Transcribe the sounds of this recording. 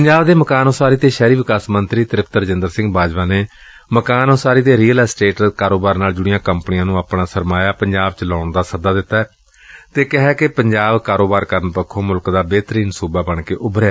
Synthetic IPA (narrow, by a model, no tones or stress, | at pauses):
pəɲd͡ʒaːbd̪eːməkaːnoːsaːɾiːt̪eːʃɛːɾiːʋɪkaːsmənt̪ɾiːt̪əɾɪpʰt̪əɾd͡ʒənd̪əɾsɪ̃ŋɡbaːd͡ʒʋaːneː | məkaːnoːsaːɾiːd̪eːɾiːəlaːsʈeːʈkaːɾoːbaːɾnaːld͡ʒʊɽɪjãːkəmpənɪjãːnũːaːpnaːsəɾmaːjaːpəɲd͡ʒaːbt͡ʃəlaːɳd̪aːsəd̪aːd̪ɪt̪ːaːɛ | t̪eːkɪɦɛːkepəɲd͡ʒaːbkaːɾoːbaːɾkəɾənpəkʰːõːmʊlkd̪aːbeːt̪əɾiːnsuːbaːbəɳkeːʔʊbɾɛː